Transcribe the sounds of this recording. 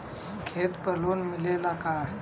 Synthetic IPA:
kʰeːt̪pəlonmɪlelakaɦ

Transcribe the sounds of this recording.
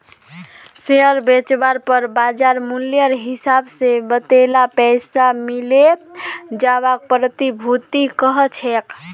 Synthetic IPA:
seəɾbet͡ʃbaɾpəɾbad͡ʒaɾmuljəɾɦisabsebət̪elapɛjsamile | d͡ʒaβak̚pɾət̪ibʱut̪ikəɦət͡ʃʰek

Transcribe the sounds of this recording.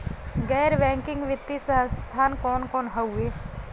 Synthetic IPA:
ɡɛːɾbɛ̃ːŋkɪ̃ŋɡʋɪt̪ːisst̪ʰaːnkɔːnkɔːnɦəueː

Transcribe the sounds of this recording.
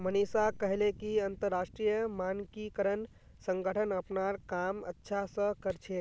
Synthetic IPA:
mənisakəɦelekiənt̪əɾːasʈɾijəmankikəɾən | səŋɡəʈʰənəpnaɾkamə̰tːʃʰasə̃kəɾt͡ʃʰe

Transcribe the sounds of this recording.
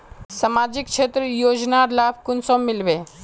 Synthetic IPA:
səmad͡ʒikt͡ʃʰeːt̪ɾəjoːd͡ʒnaɾlaːbkʊnsomːɪlʋe

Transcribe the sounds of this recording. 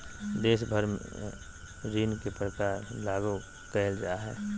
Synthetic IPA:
d̪eːʃbʱəɾmḛ | ɾiːnkepɾəkaːɾlaːɡo | kɛɦəld͡ʒaaɦɛ̰ː

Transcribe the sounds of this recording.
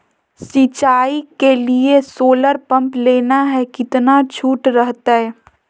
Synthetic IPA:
sit͡ʃaːikeliesoːləɾpɐ̃mpleːnaɦɛkɪt̪nat͡ʃʰuːʈɾəɦt̪aɦɛː

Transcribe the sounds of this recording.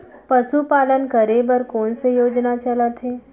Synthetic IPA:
pɐsupaːlənkɐɾebəɾkɔːnsejoːd͡ʒnat͡ʃɐlət̪ɦeː

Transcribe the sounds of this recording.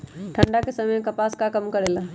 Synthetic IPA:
ʈʰəɳɖakesəməjkəpaskakəmkəɾela

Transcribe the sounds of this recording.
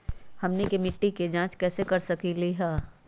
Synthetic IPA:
hɐmnekemɪʈːiked͡ʒãːt͡ʃkɛːsekɐɾsɐkiliɦɛː

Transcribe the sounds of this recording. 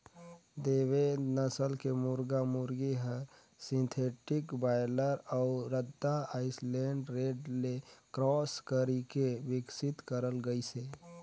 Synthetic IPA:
d̪eːʋenəsəlkemʊɾɡamʊɾɡeɦə | sɪ̃nt̪ʰeːʈɪkbaːɪləɾɔʊɾəd̪aaːɪslẽːɳɖɾeːɖlekɾɔːskəɾikeʋɪksɪt̪kəɾəlɡəise

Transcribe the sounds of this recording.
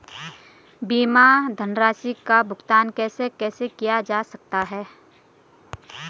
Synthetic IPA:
biːmad̪ʱənɾaːsikabʱʊɡt̪aːnkɛːsekɛːsekijad͡ʒaːsɐk̚t̪aɦɛː

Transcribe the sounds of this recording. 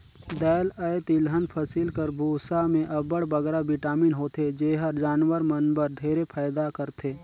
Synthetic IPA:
d̪ɛːləjt̪ɪlɦənpʰəsiːlkəɾbʱuːsamẽʔɐbəɽbɐɡɾabɪʈaːmiːnɦoːt̪ʰed͡ʒeːɦəɾd͡ʒaːnwəɾmənbəɾd̪ʱeːɾepʰaːjd̪akəɾt̪ʰeː

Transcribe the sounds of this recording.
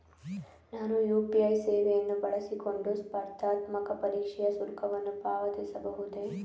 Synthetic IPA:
naːnujuːpiɐjseːʋejɐnːubɐɭɐsiko̞ɳɖuspɐɾt̪aːt̪mɐkɐpɐɾiːkʂɛjɐsuɾkʰɐʋɐnːupaːʋɐt̪isɐbɐɦud̪e̞

